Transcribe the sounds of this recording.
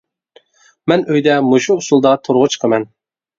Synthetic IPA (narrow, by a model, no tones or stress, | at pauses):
mɛnøjd̪ɛmuʃuːsulˠd̪ɑt̪ʰoɾʁʊt͡ʃʰqʰəmɛn